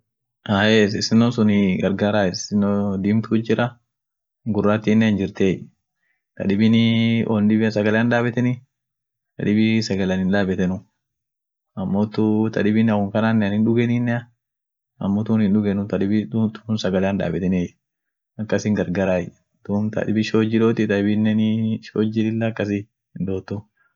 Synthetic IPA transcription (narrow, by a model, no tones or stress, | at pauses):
aːʔesɪsɪnːonsʊnɪɡɐɾɡaːɾaːɪsɪnod̪iːmt̪ʊd͡ʒɪɾɐ | ɡʊrːaːt̪ːiːnːɛɐnd͡ʒɪɾt̪eːj | t̪ɐ̰ᶑɪbɪnɪond̪ɪbɪsɐɡɐlɛaːnᶑ̪aːbɛt̪ɛnɪ | t̪ɐ̰ᶑɪbisɐɡɐlɐnhɪnᶑaːbɛt̪ɛnʊ | ɐmːoːt̪ːut̪ɐ̰ᶑɪbɪnɐkʊŋkɐnaːnːɛɐnɪnᶑʊɡɛninːɛɐ | ɐmːoːt̪uːnhɪnᶑʊɡɛnʊt̪ɐᶑɪbɪt̪uːnsɐɡɐlɛaːnᶑ̪a̰ːbɛt̪ɛne | ɐkːɐsɪŋɡɐɾɡɐɾaːj | t̪umt̪ɐ̰ᶑɪbɪʃoːd͡ʒɪᶑoːt̪ɪt̪ɐɪbɪnːɛnʃoːd͡ʒɪlɪlːɐːkːɐs̬ɪ | hɪnd̪oːt̪ːu